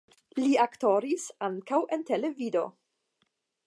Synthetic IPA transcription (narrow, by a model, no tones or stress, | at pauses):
liaktoɾisaŋkawʔe̞ntele̞vido̞̰